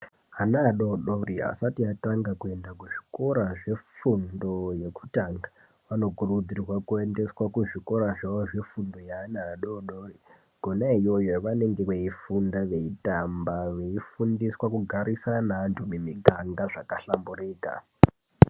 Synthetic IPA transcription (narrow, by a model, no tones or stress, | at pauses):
anaːɗoɗoria̰satiataŋɡakue̞ndakuʐi̥ko̞ɾaʐe̞fundo̞je̞ku̥taːŋɡa | ʋano̞kurud͡zirwakue̞nde̞swakuʐiko̞ɾaʐaʋoʐe̞fundo̞jaːnaːɗoɗori | ɡ̥ʱonaijo̞joʋane̞ŋɡe̞ʋeifundaʋe̞itambaʋe̞ifundiswakuɡʱaɾisanantʰumemikaŋɡaʐakaɬamburiːka̰